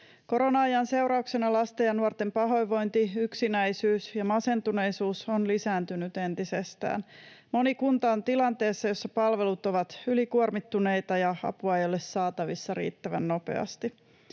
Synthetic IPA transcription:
ko̞ɾo̞nɑɑjɑnse̞uwɾɑuksenɑlɑst̪ejɑnuort̪e̞mpɑɦo̞jʋo̞jnt̪iyksinæjsyːsjɑmɑse̞nt̪une̞jsuːsonlisæːnt̪ynyt̪e̞nt̪isest̪æ̰ːnmo̞nikunt̪ɑont̪ilɑnt̪e̞ːsːɑjo̞sːɑpɑlʋe̞lut̪o̞ʋɑt̪ylikuormit̪ːune̞jt̪ɑjɑɑ̰puɑjolːesːɑːt̪ɑʋisːɑɾḭːt̪ːæʋæ̰nːo̞pe̞̰ɑ̰st̪i

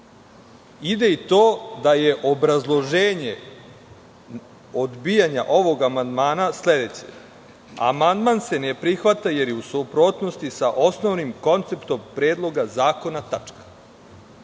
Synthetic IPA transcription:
id̪e̞it̪oːd̪aje̞ʔo̞bɾazlˠo̞ʒeːɲe | od̪bijaɲaʔo̞ʋo̞ɡamand̪maːnasle̞d̪e̞t͡ɕḛ | a̰mand̪manse̞nepɾixʋat̪aje̞ɾjeusupɾot̪no̞st̪isaʔo̞sno̞ʋnimko̞nt̪se̞pt̪o̞mpɾeːd̪lˠo̞ɡazaːko̞nat̪at͡ʂkḁ

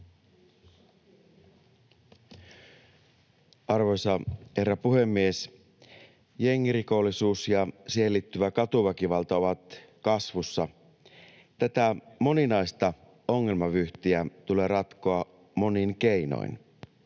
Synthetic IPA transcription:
ɑrʋo̞jsɑhe̞rːɑpuɦe̞mːies | je̞ŋːiriko̞lːisuːsjɑsielːit̪ːyʋækɑt̪uʋækiʋɑlt̪ɑo̞ʋɑt̪ | kɑsʋusːɑ | t̪æt̪æmo̞ninɑjst̪ɑ | o̞ŋːe̞lmɑʋyht̪iæt̪ule̞ːɾɑt̪koɑ | mo̞niŋke̞ino̰in

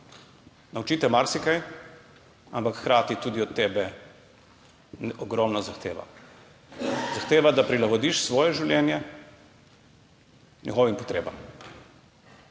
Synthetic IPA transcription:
nawt͡ʃiːt̪ɛmaɾsikaj | ampakxːɾaːt̪it̪uːd̪iɔt̪ːɛːbɛ | ɔɡɾɔmnɔzaxt̪eːʋa̰ | zaxt̪eːʋad̪apɾilaɡɔd̪iʃsʋɔːjɛʒiwljɛnjɛ | nʲʔɛɣɔːʋimpɔt̪ɾeːbam

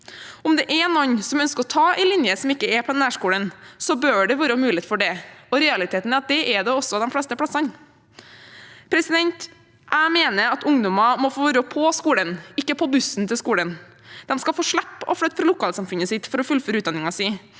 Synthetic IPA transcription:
ʊmd̪ɛʔɛnɔnsɔmœnskəɾɔt̪ʰɑːɛɪlɪnjəsɔmɪkːəɛpʰɔd̪ɛnæːʂkuːlənsɔbøːɖɛʋøːɾəmʉːleːt̪fɔɖɛɔɾɛɑlɪt̪ʰeːt̪n̩ɛɑt̪̚d̪ɛʔɛɖɛɔsːɔd̪ɛnflɽɛst̪əpʰɽɑsɑn | pʰɾɛsɪd̪ɛnt̪ | ʔæɪmeːnəɾɑt̪ʊŋd̪ʊmɑmɔfoːbɾoːpʰɔskuːlənɪkːəpʰɔbʉsnt̪ʰɪlskuːlən | d̪̥ɛmskɑfoːʂɭæpːɔ̰fɽœt̪fɾɑlʊkʰɑːlsɑmfʉnəsɪt̪fɔɾɔfʉlføːɾʉːt̪d̪ɑnɪŋɑsiː

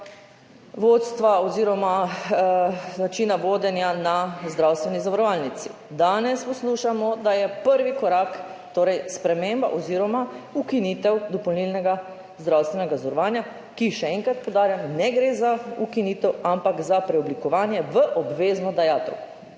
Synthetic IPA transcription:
ʋoːt̪st̪ʋaɔziːɾɔma | nat͡ʃiːnaʋoːd̪ɛnjanazd̪ɾawst̪ʋɛnizaʋaɾɔʋalnit̪si | d̪aːnɛspɔsluʃamɔd̪ajɛpəɾʋikɔɾaːkt̪oːɾɛjspɾɛmemba̰ʔɔziːɾɔmaukiniːt̪ɛwd̪ɔpɔwnilnɛɡa | zd̪ɾawst̪ʋɛnɛɡazɔɾɔʋaːnja | kiʃɛɛŋkɾat̪̚pɔwd̪aːɾjamnɛɡɾezaukiniːt̪ɛwampakzapɾɛɔblikɔʋaːnjɛʋəʔɔbʋeːznɔd̪ajaːt̪ɛwk

